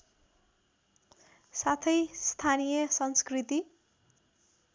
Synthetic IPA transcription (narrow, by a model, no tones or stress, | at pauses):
sat̪ʰʌjst̪ʰanijʌsʌnskrit̪i